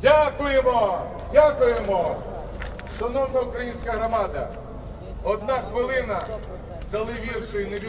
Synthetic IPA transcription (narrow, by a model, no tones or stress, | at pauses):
dʲakʊjemɔ | dʲakʊjemɔ | ʃɔnɔwnɐʊkɾɐjinʲsʲkɐɦɾɔmɑd̪ɐ | ɔd̪̚naxʋɪlˠɪnɐ | d̪ɐlˠɪʋʲirʃɔjneʋʲi